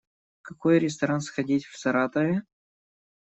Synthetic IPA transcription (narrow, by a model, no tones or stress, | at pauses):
kɐkojɾʲɪst̪ɐɾansxɐdʲitʲfsɐɾat̪əvʲɪ